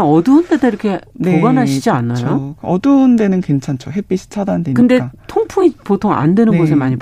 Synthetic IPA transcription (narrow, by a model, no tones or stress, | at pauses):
ʌdɯndedaiɾʌkʰe̞ne̞oɡanɦaid͡ʑianːajokʌdɯnde̞nɯnkwe̞nt͡ɕʰant͡ɕʰoɦep͈iɕʰi̥t͡ɕʰadandweɲkɯnde̞katʰoŋpʰuŋipotʰoŋa̰ndwe̞nɯnɡosʰemaɲi